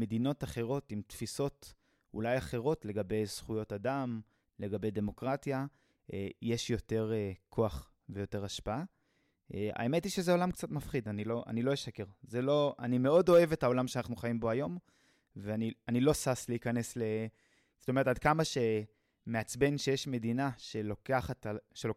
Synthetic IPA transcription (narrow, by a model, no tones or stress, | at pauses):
medino̞taχe̞ʁo̞timtfiso̞t | ṵlajaχe̞ʁo̞tle̞ɡabe̞jz̥χujo̞tadam | le̞ɡabe̞jd̪e̞mo̞kʁatja | ejeʃjo̞te̞ʁekʰo̞aχ | ve̞jo̞te̞ʁaʃpaa | ea̰emetiʃezeo̞lamkt͡sat̪mafχidanilo̞ʔa̰nilo̞jeʃake̞ʁzelo̞anime̞o̞do̞e̞vetao̞lamʃeanaχnuχajimbo̞ajo̞m | veanianilo̞sasleikane̞sle̞ | zo̥tome̞ʁetadkamaʃe̞ | me̞at͡sbe̞nʃe̞jeʃme̞dinaʃelokaχatʃelo